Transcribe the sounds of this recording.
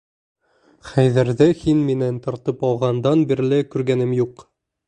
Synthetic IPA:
χæjðæɾðɘhinminænt̪ŏɾt̪ɤpɑlˠʁɑnd̪ɑnbiɾlɘkʉɾɡænɘmjuq

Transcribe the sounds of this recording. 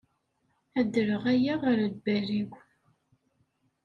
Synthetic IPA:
æd̪əɾəʁæjæʁaɾælbæɾiɡʷ

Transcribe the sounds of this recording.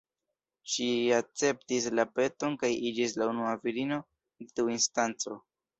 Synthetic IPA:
ʃiat͡se̞ptis̬lape̞to̞nkajid͡ʒis̬launuaviɾino̞ | detiuinstant͡so̞

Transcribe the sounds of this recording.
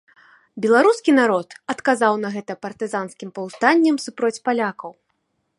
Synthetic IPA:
bʲɛlˠaɾuskʲinaɾɔt̪ɐt̪kazawnɐɣɛt̪ɐpɐrt̪ɨzanskʲimpɐwst̪anʲːɐmsupɾɔt͡sʲpalʲakɐw

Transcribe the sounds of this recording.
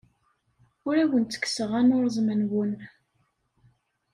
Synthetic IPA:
ʊɾæwənt͡s̪ːə̥kːsəʁænʊɾzˤmənwən

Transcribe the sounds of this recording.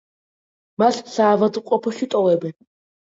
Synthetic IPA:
maɬsaːvad̪qʼɔpʰɔʃit̪ʼɔvɛbɛn

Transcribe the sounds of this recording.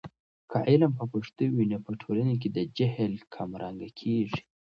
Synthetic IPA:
kʰaʔɪlampəpəʂt̪uwinapəʈʰolanek̬ed̪əd͡ʒahlkʰamɾʔɑŋɡakʰeʐi̥

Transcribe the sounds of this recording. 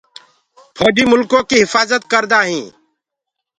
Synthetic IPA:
pʰɔːɖiːmʊlkõːkiːɦɪfaːzət̪kəɾd̪aːɦĩː

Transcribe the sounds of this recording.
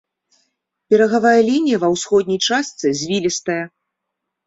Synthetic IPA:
pʲɛɾɐɣavajɐlʲinʲijɐvɐwsxɔd̪̚ʲnʲijt͡ʂast̪sɨzʲvʲilʲist̪ɐjɐ

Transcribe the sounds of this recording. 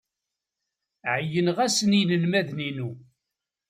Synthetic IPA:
ʕəjənʁæsənijnəlmæðninu

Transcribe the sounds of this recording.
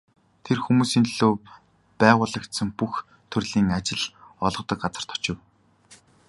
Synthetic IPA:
t̪ʰerxumuːsiːnɮoː | pæːʁʊːɮə̆kt̪sə̆ŋpux | t̪ʰɵrɮiːŋat͡ɕɪ̆ɮɔɮʁɞ̆t̪ə̆k̚ɢat͡sə̆r̥t̪ʰɔ̥t͡ɕɪ̆w

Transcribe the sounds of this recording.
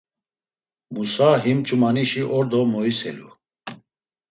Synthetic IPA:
musaɦimt͡ʃʼumaniʃiʔɔɾd̪ɔmɔisɛ̰lṵ

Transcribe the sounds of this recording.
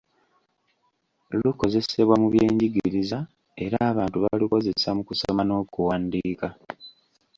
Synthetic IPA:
luko̞ze̞se̞βwamuβjeːɲɟiɡiɾiza | e̞ɾaːβaːntuβaliko̞ze̞samukusomano̞ːkuwaːndiːka

